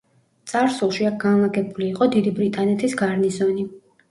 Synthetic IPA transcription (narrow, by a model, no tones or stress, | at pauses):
t̪sʼaɾsulˠʃiak̚ɡanlˠaɡɛbuliːqʼɔd̪id̪ibɾit̪ʼanɛt̪ʰisɡaɾnizɔni